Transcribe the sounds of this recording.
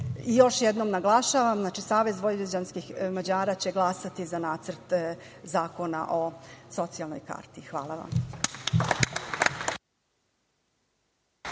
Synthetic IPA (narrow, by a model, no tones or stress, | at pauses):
ijo̞ʃjed̪nomnaɡlˠaʃaʋamznaːt͡ʃisaːʋe̞zʋoɾed͡ʑanskixmad͡ʑaːɾat͡ɕe̞ɡlˠasat̪izanaːt̪sər̩t̪ | zaːko̞na̰ʔo̞so̞t̪sialˠno̰jka̰ːɾt̪ixʋaːlˠaʋa̰m